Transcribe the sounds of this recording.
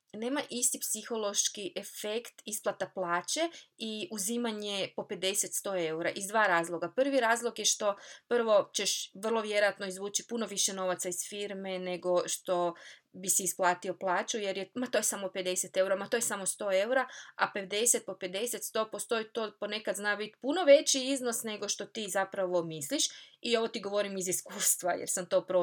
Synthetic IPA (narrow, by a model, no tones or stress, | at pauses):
ne̞ːmaʔist̪ipsixo̞lo̞ʃkiʔefekt̪isplˠat̪aplˠaːt͡ɕe̞iuzimaɲepo̞pe̞d̪e̞set̪st̪o̞ːe̞uɾaʔizd̪ʋaːɾaːzlˠo̞ɡapr̩ʋiɾaːzlˠoɡjeʃt̪o̞pr̩ʋo̞t͡ɕeʃʋr̩lˠo̞ʋje̞ɾojat̪noizʋuːt͡ɕipuno̞ʋiʃe̞no̞ʋat̪saiz̥fiɾme̞ne̞ɡo̞ʃt̪o̞bisiːsplˠaːt̪io̞plˠaːt͡ʃujeɾjemat̪ojesamope̞d̪e̞set̪e̞uɾamat̪ojesamo̞st̪o̞ːe̞uɾaape̞d̪e̞set̪̚po̞pe̞d̪e̞set̪st̪o̞ːpo̞st̪o̞jit̪oːpone̞kad̪znaʋit̪puno̞ʋe̞t͡ɕiizno̞sne̞ɡo̞ʃt̪o̞t̪iːzapɾaʋo̞misliʃio̞ʋot̪iɡo̞ʋo̞ɾimiziskuːst̪ʋajḛɾsamt̪o̞ːpɾo